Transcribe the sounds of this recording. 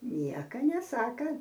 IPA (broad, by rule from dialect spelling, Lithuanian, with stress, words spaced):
ˈnʲiɛkɐ nʲɛˈsɑːkɐ